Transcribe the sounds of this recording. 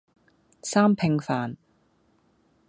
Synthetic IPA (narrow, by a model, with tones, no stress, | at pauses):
saː˥mpʰɪ˧ŋfaː˨n